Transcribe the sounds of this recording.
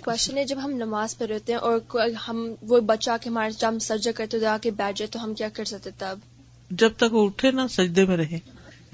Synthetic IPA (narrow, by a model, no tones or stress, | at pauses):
kwɛst͡ʃənɦɛd͡ʒɐbɦɐmnɐmaːzpɐɾɛːt̪eɦɛ̃ʔɔːɾkhɐmʋobɐt͡ʃakeɦɐmaːɾsd͡ʒaɦɐmsɐɾd̪akɐɾet̪od̪ɡaːkebɛːʈ̚d͡ʒet̪oɦɐmkjaːkɐɾsɐk̚t̪ẽt̪ɐɐb | d͡ʒɐb̚t̪ɐkʋoʊʈʰenasɐd͡ʒd̪emẽɾɐɦẽː